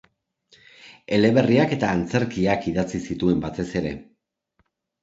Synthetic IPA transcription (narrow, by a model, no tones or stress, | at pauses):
e̞le̞βe̞riake̞t̪aːnt͡se̞ɾkiakiðat͡sisit̪ue̞mbat̪e̞se̞ɾe̞